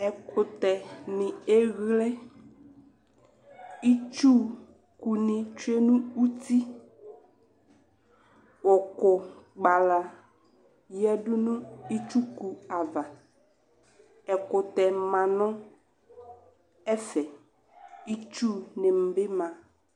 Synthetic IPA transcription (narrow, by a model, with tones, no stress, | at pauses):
ɛ˨kʰʊ˨t̪ɛ˨nɪ̃˨e˦ɣle˦ | i˦t͡ʃu˦ | ku˨nɪ̃˨t͡ʃu˦e˦nũ˦u˦ti˦ | wɔ˨kʊ˨ɡ͡ba˨la˨ | jɛ˦dʊ˦nʊ̃˦i˦t͡ʃu˦ku˨a˨va˨ | ɛ˨kʊ˨t̪ɛ˨mã˨nɔ̃˦ | ɛ˦fɛ˨ | i˦t͡ʃu˦nɪ̃˨m̩˨bɪ˦mã˨